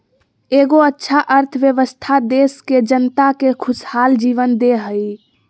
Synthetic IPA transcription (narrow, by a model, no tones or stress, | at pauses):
eɡoətːʃʰaʔəɾt̪ʰʋjəʋəst̪ʰad̪esked͡ʒənt̪akekʰushald͡ʒiʋənd̪eɦəj